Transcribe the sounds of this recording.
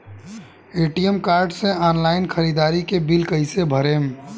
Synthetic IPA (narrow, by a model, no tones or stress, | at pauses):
eːʈijemkaːɾɖsẽaːnlaːɪnkʰəɾid̪aːɾikebilkəɪsebʱəɾem